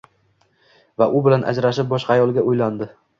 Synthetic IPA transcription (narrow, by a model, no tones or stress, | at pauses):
vaʔʊbɪlanʔa̰d͡ʒɾaʃɪp̚bɒʃqʰɑːjɒlˠɡʲaʊjland̪ɪ